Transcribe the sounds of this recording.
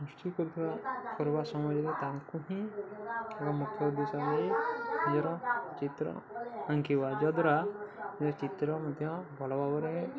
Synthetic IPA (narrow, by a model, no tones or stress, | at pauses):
usʈikɔɾut̪ʰibakɔɾbasɔmɔd͡ʒɔɾet̪aŋkuɦĩ | ekɔmukʰjɔd̪isaneɾiid͡ʒɔɾɔt͡ʃit̪ɾɔ̰aŋkiβad͡ʒɔd̪ɾad͡ʒɔɾɔt͡ʃit̪ɾɔmɔd̪ʱjɔ̃bʱɔlɔbabɔɾe